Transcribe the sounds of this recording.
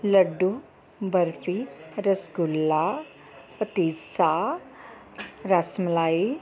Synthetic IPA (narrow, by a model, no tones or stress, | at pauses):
ləɖu | bəɾfiɾəsɡulːa | pət̪isa | ɾasmlai